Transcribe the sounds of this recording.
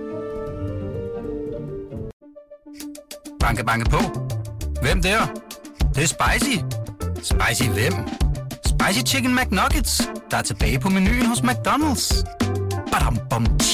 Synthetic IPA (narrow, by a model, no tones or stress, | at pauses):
b̥ɑ̈ŋɡ̥əb̥ɑ̈ŋɡəpʰɔ | ʋem̰d̥eɐd̥esb̥ɑ̈ɪsisb̥ɑ̈ɪsiʋem̰sb̥ɑ̈ɪsit͡ʃʰiɡ̥ən̩mæɡ̥nɒɡ̥əd̥sd̥ɑ̈æɐt͡sʰe̝b̥ɛ̰ːɪpʰɒ̽meny̰ːhosmæɡ̥̚d̥ɒnəld̥s | b̥æɾɑmb̥ɒm